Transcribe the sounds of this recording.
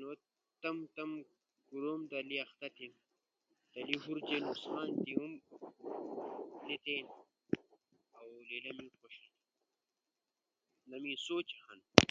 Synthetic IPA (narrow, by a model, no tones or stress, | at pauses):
noː | t̪ɐmt̪ɐm | ɡuɾomd̪ɐliɐxt̪ɐt̪im | d̪̥ɐliɦuɾt͡ʃeːnusxaːnt̪ium | lit̪eːn | awlilɐmixoʃin | lɐmisoːt͡ʃɐxɐn